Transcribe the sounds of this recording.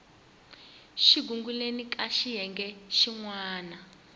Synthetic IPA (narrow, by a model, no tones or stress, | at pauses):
ʃiɡuŋɡulenikʼaʃiɦɛŋɡɛʃiŋwaːna